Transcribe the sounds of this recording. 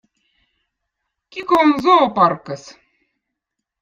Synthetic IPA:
kʲikonzoːpɑrkɤs

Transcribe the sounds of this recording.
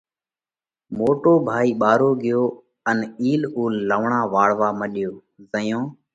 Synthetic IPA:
moːʈoːbʱaːiːɓaːɾoːɡɪjoː | əniːluːlːəʋɳãːʋaːɽʋaːməɗɪjoː | zəjõː

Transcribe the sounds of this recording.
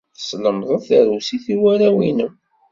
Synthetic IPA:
θə̥sləmðˤəðθəɾusiθiwæɾæwinəm

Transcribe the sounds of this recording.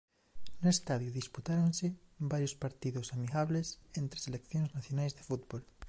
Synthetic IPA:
noest̪aðjuðisput̪aɾonsebaɾjospaɾt̪iðosamiɣaβlesent̪ɾe̥selekθjoŋznaθjonajzðefut̪bol

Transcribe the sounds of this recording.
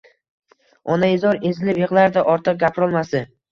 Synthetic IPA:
ɒnaɪzɒɾe̞zɪlɪpjeqlaɾd̪aʔɒɾt̪ʰɨq̚ɡʲapʰɾɒlˠmasɪ

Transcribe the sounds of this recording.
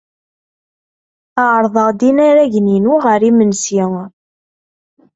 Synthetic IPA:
əʕɾˤðˤəʁd̪inaɾæʝninuʁəɾimənsiŋ

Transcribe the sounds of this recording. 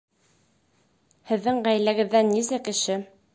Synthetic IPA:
hɘ̆ðːɘɴʁæjlæɡɘ̆ðːænːisækɘ̆ʃɘ

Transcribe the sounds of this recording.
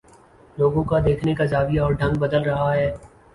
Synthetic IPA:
loːɡõkad̪eːkʰnekazaːbijaɔːɾɖʱɐ̃ŋɡ̚bɐd̪əlɾɐɦaɦɛː

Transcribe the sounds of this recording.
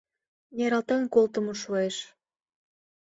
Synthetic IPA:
jeɾɑlt̪enkolt̪əmoʃueʃ

